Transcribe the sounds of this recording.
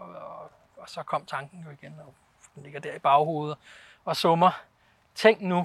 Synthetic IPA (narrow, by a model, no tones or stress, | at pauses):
sɒ̽kʰɒ̽m̰t͡sʰɑ̈ŋɡ̥n̩jo̝iɡ̥enɒ̽ | d̥enle̝ɡ̥ɐd̥æɐ̰ib̥ɑ̈ʊɦo̝ːð̞̩ˠ | ɒ̽sɔmɐ | t͡sʰe̝ŋ̰nu